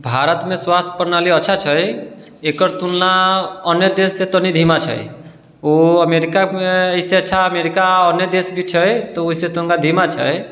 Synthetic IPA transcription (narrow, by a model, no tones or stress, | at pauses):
bʱaɾət̪mẽswast̪ʰə̥pəɾnaliətːʃʰat͡ʃʰəj | ekəɾt̪unːaənjəd̪esːet̪ənid̪ʱimat͡ʃʰə̰j | oəmeɾikameəɦiseətːʃʰaəmeɾikaənjəd̪esbʱit͡ʃʰəjt̪ɔoɦiset̪uŋkad̪ʱimat͡ʃʰə̰j